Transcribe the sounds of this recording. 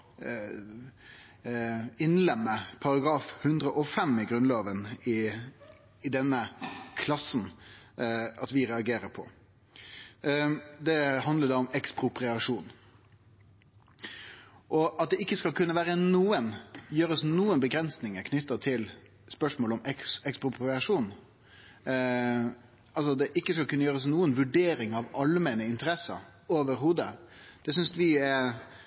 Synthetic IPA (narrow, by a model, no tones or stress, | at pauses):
ɪnlɛmːəpʰɑɾɑɡɾɑːfhʉnd̪ɾəʔɔfɛmːɪɡɾʉnloːʋənɪː | d̪ɛnːəkʰlɑsn̩ | ɑt̪ʋɪɾɛɑɡeːɾəɾpʰɔ̰ | d̪ɛɦɑnd̪ləd̪ɑːʊmɛkspʁʊpɾɪɑʂuːn | ʔɔɑt̪̚d̪ɛɪkːəskɑlkʰʉnːəʋæːɾənuːənjøːɾəsnuːənbəɡɾɛnsnɪŋəkʰnʏt̪ːət̪ʰɪl | spœʂmoːlɔmɛsɛkspɾʊpɾɪɑʂuːn | ɑls̬ɔd̪ɛʔɪkːəskɑlkʉnːəjøːɾəs̬nuːənʋʉɖeːɾɪŋɑʋɑlmɛnəɪnt̪əɾɛsə̰ɾoːʋəɾɦuːd̪əd̪̥ɛsʏnsʋɪɛɾ